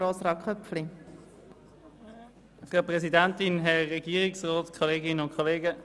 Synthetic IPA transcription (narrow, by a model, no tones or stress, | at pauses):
oːsɾɑkχœpfli | fʁapʁɛsidantɪnɦɛʁɛɡiːʁiksʁɔːtkʰoleːɡɪnənʊnkʰoleːɡə